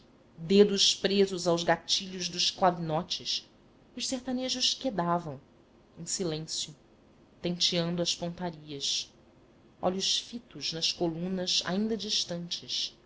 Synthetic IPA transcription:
d̪ed̪ʊʃpɾezʊzawʒɡat͡ʃiʎʊʒd̪ʊʃklavinɔt͡ʃɪs | ʊʃseht̪aneʒʊʃked̪avɐ̃w̃ | ẽsilẽsjʊ | t̪ẽnt͡ʃiɐ̃nd̪ʊɐʃpõnt̪aɾiɐs | ɔ̰ʎʊʃfit̪ʊznɐʃkolũnɐza̰ĩnd̪ɐd͡ʒiʃt̪ɐ̃nt͡ʃɪs

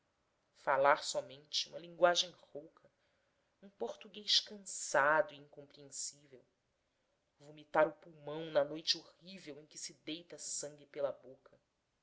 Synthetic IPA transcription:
falaɾsɔmẽnt͡ʃɪũmɐlĩŋɡwaʒẽj̃howkʰɐ | ũpoɾt̪uɡejʃkɐ̃sad̪ʊiĩŋkõmpɾiẽsivew | vumit̪aɾʊpuwmɐ̃w̃nɐnojt͡ʃɪohivewẽj̃kʲɪsɪd̪ejt̪ɐsɐ̃ŋɡɪpelɐbokʰɐ

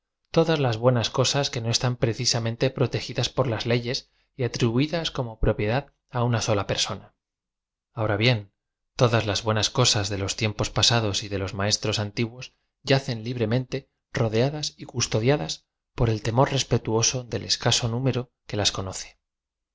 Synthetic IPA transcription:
t̪o̞ðazlazβwe̞nasko̞saske̞no̞e̞st̪ampɾeθisamẽ̞nt̪e̞pɾo̞t̪e̞xiðaspo̞ɾlazle̞ʝe̞s | iat̪ɾiβuiðasko̞mo̞pɾo̞pje̞ðað | aunaso̞lape̞ɾso̞na | aoɾaβje̞n | t̪o̞ðazlazβwe̞nasko̞sazðe̞lo̞st̪jempo̞spasaðo̞siðe̞lo̞zmae̞st̪ɾo̞sant̪iɣwo̞s | ɟ͡ʝaθe̞nliβ̞ɾe̞mẽ̞nt̪e̞ | ro̞ðeaðasikust̪o̞ð̞jaðas | po̞ɾe̞lt̪e̞mo̞ɾre̞spe̞t̪uo̞so̞ðe̞le̞skaso̞nũme̞ɾo | ke̞lasko̞noθe̥

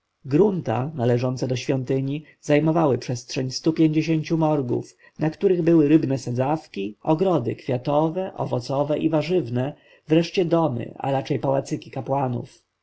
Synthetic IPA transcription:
ɡɾunt̪a̰nalɛʐɔnt̪sɛd̪ɔɕfʲjɔnt̪ɘɲi | zajmɔvawɘpʂɛstʂɛɲst̪upʲjeɲd͡ʑeɕeɲt͡ɕumɔɾɡṵf | nakt̪uɾɘɣbɘwɘɾɘbnɛsɛzafkʲiʔɔɡɾɔd̪ɘ̰kfʲjat̪ɔvɛʔɔ̰vɔt̪sɔvɛʔivaʐɘvnɛ | vɾɛʂt͡ɕɛd̪ɔmɘ̰a̰ɾat͡ʂɛjpawat̪sɘkʲikapwanṵf

